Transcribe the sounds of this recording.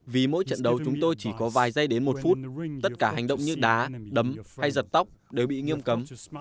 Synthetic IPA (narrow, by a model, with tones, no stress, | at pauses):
vi˨˩mo̰˧˥jt͡ɕə̰˧˨nɗə˨˦wt͡ɕʊ˨˦ŋ͡mt̪o˧jt͡ɕi˧˩kɔ˨˦vaː˨˩jzə˧jɗe˨˦nmo˨˩t̚fu˦˥t̚t̪ə˦˥t̚kaː˧˩ɦa˨˩jŋ̟ɗə̰˧˨wŋ͡mɲɨ̰˦˥ɗaː˨˦ɗə˨˦mha˧jzə˨˩t̚t̪a˦˥wk͡p̚ɗe˨˩wɓḭ˧˨ŋi˧əmkə˨˦m